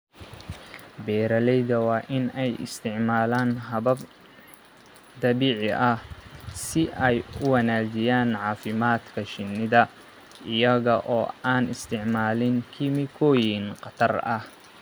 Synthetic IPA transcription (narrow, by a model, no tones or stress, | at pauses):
bɛːɾɐlɛjðɐwɑːʔɪnɛjɪ̰st̪ʰɪʕmaːlaːnɦɐβɐb | d̪ɐβiːʕɪʔɐhsɪʔɛjʊwɑnaːd͡ʒɪjaːnʕɑːfɪmaːd̪kʰɐʃɪnːɪðɐ | ɪjɐɣɐʔɔːaːnɪst̪ʰɪʕmaːlɪŋkʰiːmɪkʰɔːjɪŋqɑt̪ʰɐrɐh